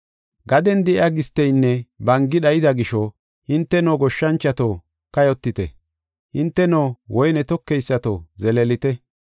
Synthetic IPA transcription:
ɡɐd̪ɛnd̪ɛʔaɡɪst̪ːɛjnːɛbɐŋɡɪɗɐjɪd̪ɐɡɪʃɔ | hɪnt̪ːɛnoːɡɔʃːɐnt͡ʃːɐt̪o | kɐjɔt̪ːɪt̪ɛ̰ | hɪnt̪ːɛnoːwɔjnɛt̪ɔkːɛjsːɐt̪o̰ːzɛlɛlɪt̪ɛ

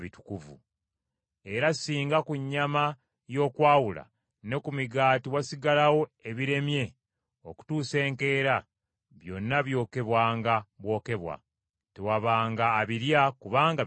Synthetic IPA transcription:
βitu̥kuvṵ | e̞ɾasiːŋɡakuɲːama | jo̞ːkwaːwula̰ | ne̞kumiɡaːtiwasiɡalawo̞e̞βiɾe̞mje̞ | oku̥tuːse̞ːŋke̞ːɾa | βjo̞nːaβjo̞ːke̞βwaːŋɡaβwo̞ːke̞βwa̰ | te̞waβaːŋɡaːβiɾjakuβaːŋɡa

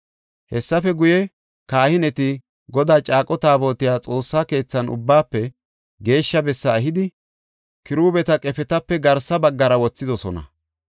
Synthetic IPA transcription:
hɛsːɐfɛɡʊjɛ | kaːhɪnɛt̪ɪ | ɡɔd̪aːt͡ʃʼaːkʼɔt̪aːbo̞ːt̪ɪjaːt͡sʼo̞ːsːaːke̞ːt͡sːɐnʊ̰bːaːpːɛ | ɡe̞ːʃːɐbɛsːɐːɦɪd̪ɪ | kɪɾuːbɛt̪ɐkʼɛfɛt̪ɐpːɛɡɐɾsɐbɐɡːɐɾɐwɔt͡sːɪd̪ɔsɔnɐ̰

